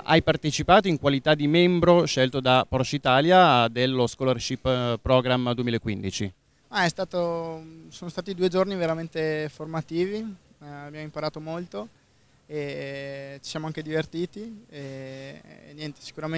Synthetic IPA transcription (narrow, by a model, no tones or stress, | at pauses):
ʔa̰jpart̪et͡ʃipaːt̪oiŋkwalit̪ad̪ːimɛmbɾoʃelt̪od̪apɔɾrt͡ʃit̪aːljad̪elːoskɔːlɛrʃipːpːɾɔɡɾamːd̪uemilaekːwind̪it͡ʃi | aɛst̪aːt̪osoːnost̪aːt̪id̪ued͡ʒorniveɾament̪eformat̪iːvi | abjaːmoimpaɾaːt̪omolt̪o | e | t͡ʃi̥sjamoaŋked̪ivert̪iːt̪ie | njɛnt̪e̥si̥kuɾam